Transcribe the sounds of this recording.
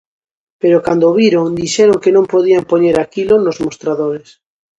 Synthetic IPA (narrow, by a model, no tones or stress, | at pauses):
peɾokand̪oβiɾoŋd̪iʃeɾoŋkenõmpoðiampoɲeɾakilonozmost̪ɾaðoɾes